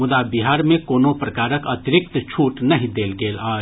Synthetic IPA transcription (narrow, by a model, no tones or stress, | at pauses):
mʊd̪abɪɦaːɾmẽkoːnopɾɐkaːɾəkɐt̪ɪɾɪk̚t̪t͡ʃʰuːʈnɐɦĩd̪eːlɡeːlaː